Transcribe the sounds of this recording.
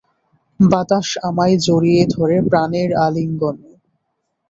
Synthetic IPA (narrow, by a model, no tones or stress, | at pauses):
bat̪aʃamajd͡ʑoɾied̪ʱoɾepɾaneɾaliŋɡon